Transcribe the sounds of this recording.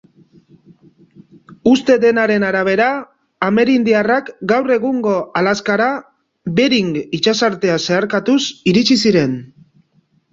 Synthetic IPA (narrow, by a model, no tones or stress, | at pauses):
ust̪e̞d̪e̞naɾe̞naɾaβ̞e̞ɾaː | me̞ɾind̪iarakɡawre̞ɣuŋɡo̞ʔalaskaɾa | βe̞ɾiŋɡit͡ʃasaɾt̪e̞ase̞aɾkat̪usiɾit͡ʃisiɾe̞n